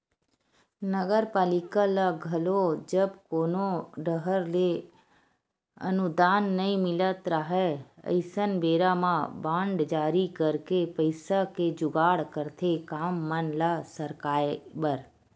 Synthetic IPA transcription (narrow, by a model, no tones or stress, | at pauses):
nəɡəɾpaːlɪkalaɡʱɐlod͡ʒəbkoːnoɖəɦəɾle | ə̰nʊd̪aːnːəĩmɪlət̪ɾaɦɛə̰ɪsənbeːɾamãbãːɳɖd͡ʒaːɾikəɾkepəɪsaked͡ʒʊɡaːɽkəɾt̪ʰekaːmːənlasəɾkaːbəɾ